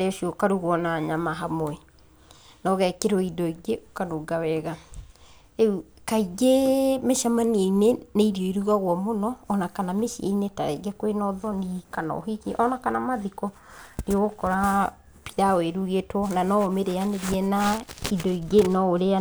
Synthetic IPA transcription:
eoʃiokaɾuɣɔnaɲamaɦamoɛ | nɔɣɛkeɾoidɔiɡeʔokanoɡawɛɣa | eukaiɡemeʃamanieineneiɾiɔiɾuɣaɣwɔmonɔːnakanameʃiḛineta̰ɾɛ̰ɡɛkwenɔðɔnikanɔ̰ɦikiʔɔnakanamaðikɔ | neɣokɔɾa | pi̥ðaweɾuɣetwɔnanɔomeɾeaneɾiɛnaidɔiɡenɔoɾea

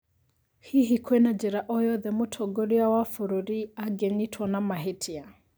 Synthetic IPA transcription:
hiɦikʰwenad͡ʒɛɾaʔɔjɔðɛmotʰɔɡoɾiawafʊɾoɾiaɡeɲitʰwɔnamaɦetʰia

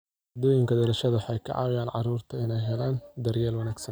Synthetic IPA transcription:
hɐd̪ɔːjɪŋkʰɐd̪ɔɾɐʃɐðɐħɑjkʰɐ̰ʕɑ̰ːwɪjaːnʕɑ̰ɾuːrt̪ʰɐɪnɛjɦɛlaːnd̪ɐrjɛːlwɐnæːɡsɐn

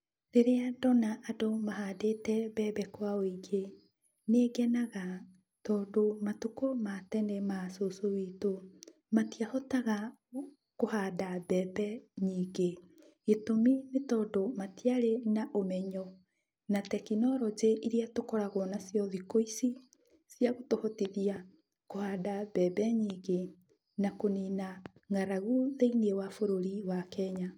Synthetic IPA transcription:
ɾeɾeadɔnaʔːdomaɦaːdetɛbɛbɛkwaoiɡe | neɡɛnaɣa | tɔːndomatukomatɛnɛmasosowiːto | matiahɔtaɣa | kohaːdabɛːbɛɲiːɡe | ɣetominetɔdomatiaɾenaʔomɛɲɔ | natɛkinɔɾɔd͡ʒeʔiɾiatokɔɾaɣwɔnasjɔðikoisi | sjaɣotohɔtiðia | kohadabɛbɛɲiːɡe | nakoninaŋaɾaɣuðeiniewafoɾoɾiwakɛɲa

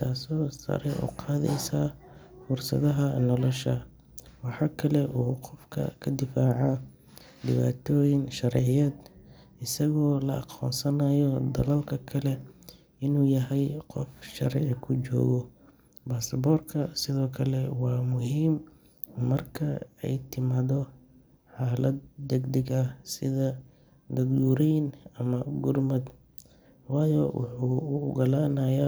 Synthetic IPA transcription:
t̪ʰaːsɔːsɐ̰ɾɛʔɔ̰ːqʰɑːðɛ̰jsaː | fʊrsɐ̰ðɐɦɐnɔlɔʃɐ | wɑħɑːkʰɐlɛʔuːqɔfkʰɐ̰kʰɐd̪ɪfaːʕa | ɖɪβaːt̪ʰɔːjɪŋʃɐɾʕɪjɐːd̪ | ɪsɐɣɔːlɐɑqʰɔ̰ːnsɐnɐjɔd̪ɐlɐlkʰɐkʰɐlɛ | ɪnuːjɐɦɛjqɔfʃɐ̰ɾʕɪkʰʊt͡ʃɔ̰ːɣɔ | baːsɐbɔːrkʰɐsɪðɔːkʰɐlɛwɑːmʊɦiːmː | ɐrkʰɐɛ̰jt̪ʰɪmaːðɔ | ħaːlɐd̪̚d̪ɛɡd̪ɐɡɐsɪðɐ | ɡɐðɡuːɾɛjnɐmɐɡʊrmɐd̪ | wɑːjɔwʊ̰ħuːɡɐlaːnɐja

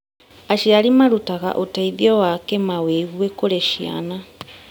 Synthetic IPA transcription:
aʃiaɾimaɾutaɣa̰ʔotaiðjɔwakɛmaweɣwekoɾɛʃia̰na

